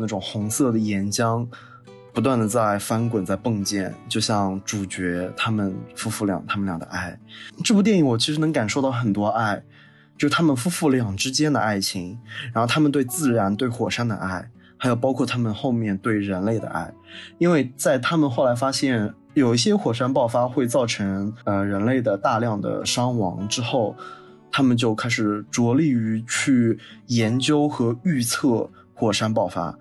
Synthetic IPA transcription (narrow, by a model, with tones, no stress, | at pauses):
na˥˩ʈ͡ʂʊ˨˩ŋxʊ˧˥ŋsɤ˥˩d̪ə˩jɛ˧˥nt͡ɕjɑ˥ŋ | pu˧˥t̪wa˥˩nd̪ə˩t͡sa˥˩ɪfa˥nkwə˨˩nt͡sa˥˧ɪpɤ˥˧ŋt͡ɕjɛ̰˥˩nt͡ɕjo˥˧ʊɕjɑ˥˧ŋʈ͡ʂu˨˩t͡ɕɥɛ˧˥t̪ʰa˥mə˨nfu˥fu˥˩ljɑ̰˨˩ŋt̪ʰa˥mə˨nljɑ˨˩ŋd̪ə̰˧ʔa˥˩ɪʈ͡ʂɤ˥˩pu˥˩jɛ˥˩ni˧˥ŋwɔ˨˩t͡ɕʰi˧˥ʂɻ̩˧˥nɤ˧˥ŋka˨˩nʂo˥˧ʊt̪ɑ˥˩ʊxə˨˩nt̪wɔ˥a˥˩ɪ | t͡ɕjo˥˧ʂ̩˥˩t̪ʰa˥mə˨nfu˥fu˥˩ljɑ˨˩ŋʈ͡ʂɻ̩˥t͡ɕjɛ˥nd̪ə̰˩˧a˥˩ɪt͡ɕʰi˧˥ŋɻa˧˥xo˥˧ʊt̪ʰa˥mə˨nt̪we˥˧ɪt͡sɹ̩˥˩ɻa˧˥nt̪we˥˩ɪxwɔ˨˩ʂa˥nd̪ə̰˧ʔa˥˩ɪ | xa˧˥jo˨˩ʊpɑ˥ʊkʰwɔ˥˩t̪ʰa˥mə˨nxo˥˧ʊmjɛ˥˧nt̪we˥˩ɪɻə˧˥nle˥˩ɪd̪ə̰˩ʔa̰˥˩ɪi˥nwe˥˩ɪt͡sa˥˩ɪt̪ʰa˥mə˨nxo˥˩la˧˥ɪfa˥ɕjɛ˥˩n | jo˨˩ʊi˥˩ɕjɛ˥xwɔ˨˩ʂa˥npɑ˥˩ʊfa˥xwe˥˧ɪt͡sɑ˥˩ʊʈ͡ʂʰɤ˧˥ŋə˧ɻə˧˥nle˥˩ɪd̪ə˩t̪a˥˧ljɑ˥˩ŋd̪ə̰˩ʂɑ˥ŋwɑ̰˧˥ŋʈ͡ʂɻ̩˥xo˥˩ʊ | t̪ʰa˥mə˨nt͡ɕjo˥˧ʊkʰa˥ɪʂɻ̩˨˩ʈ͡ʂwɔ˧˥li˥˩y˧˥t͡ɕʰy˥˩jɛ˧˥nt͡ɕjo˥ʊxɤ˧˥y˥˧t͡sʰɤ˥˩ | xwɔ˨˩ʂa˥npɑ˥˩ʊfa̰˥